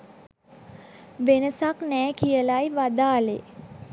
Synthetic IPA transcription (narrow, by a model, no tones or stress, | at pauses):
ʋenəsaknɛːkijəlajʋad̪aːle